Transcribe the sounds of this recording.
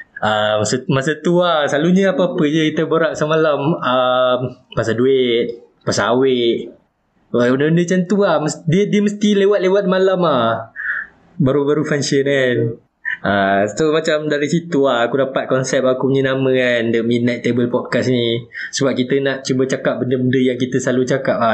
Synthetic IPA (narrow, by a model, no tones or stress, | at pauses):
ʔamsəmasat̪uahsaluɲəapaːpəd͡ʒəkit̪əbəɾaʔ̚samalaməmpasaduet̪̚ | pasweʔ | unəundət͡ʃant̪uahməsdiədiəməst̪ilewat̪̚lewat̪̚malamah | baɾubaɾufaŋsənan | ʔasomat͡ʃamdaɾisit̪uahakudapat̪̚kɔnsɛp̚akuməɲənamə̃kandəmit̚nat̪t̪ːebəlpɔd̚kasni | səbap̚kit̪ənaʔt͡ʃubət͡ʃakap̚bəndəbəndəjaŋkit̪əsalut͡ʃakap̚a